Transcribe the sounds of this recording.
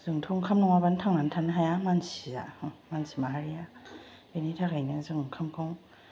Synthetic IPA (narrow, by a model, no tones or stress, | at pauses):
z̥ɯŋtʰɔŋkʰamnɔŋabantʰaŋnantʰanɯɦajamansiza̰mansimaaɾija | benitʰakʰajnɯzɯŋkʰamkʰɔŋ